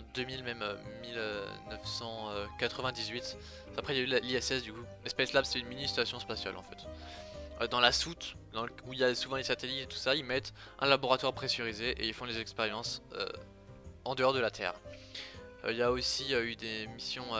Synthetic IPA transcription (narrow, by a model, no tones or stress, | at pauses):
ɑ̃d̪ømilmɛmø̰milønœfsɑ̃økat̪χəvɛ̃d̪izɥit̪ | apχɛiljaylliɛsɛsd̪yku | ɛspɛslabsɛynminist̪asjɔ̃spasja̰lʔɑ̰̃fɛt̪ | ød̪ɑ̃lasut̪d̪ɑ̃ləuiljasuvɑ̃lesat̪elit̪et̪u̥sailmɛt̪ | ʔɛ̰̃laboʁat̪waʁpχesyʁizeʔeilfɔ̃lezɛkspeʁjɑ̃sø̰ | ɑ̃d̪əɔʁd̪əlat̪ʰɛ̰ʁ | øiljaosiøyd̪emisjɔ̃ø